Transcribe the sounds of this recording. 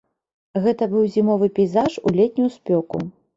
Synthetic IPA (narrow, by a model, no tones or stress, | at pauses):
ɣɛt̪ɐbɨwzʲimɔvɨpʲɛjzaʂulʲɛt̪ʲnʲujuspʲɔkṵ